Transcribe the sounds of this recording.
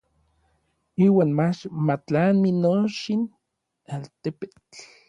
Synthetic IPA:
iːwaːnmat͡ʃmat͡ɬanminoʃin | alt̪epet͡ɬ

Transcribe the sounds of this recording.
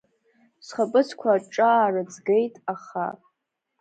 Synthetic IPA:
sχəpʼɨt͡sʰkʷʰaʈ͡ʂʼaːrɨd͡zɡejtʼaχa̰

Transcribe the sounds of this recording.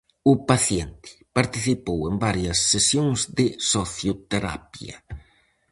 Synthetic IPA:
ʊpaθjɛnt̪ɪ̥paɾt̪iθipowembaɾjɐsːesjoŋzðɪsoθjot̪eɾa̰pjɐ̰

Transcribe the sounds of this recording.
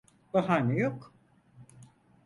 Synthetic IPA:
baɦanijok

